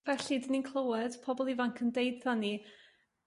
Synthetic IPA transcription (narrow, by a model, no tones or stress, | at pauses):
vɛɬidɪninkʰlˠəwɛd̥pʰɔbɔlˠivaŋkʰəndejdðani